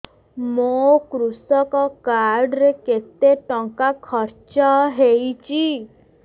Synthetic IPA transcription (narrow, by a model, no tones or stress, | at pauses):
mokɾusɔkɔkaɾɖɾeket̪eʈɔ̃ŋkakʰɔɾt͡ʃɔɦejt͡ʃi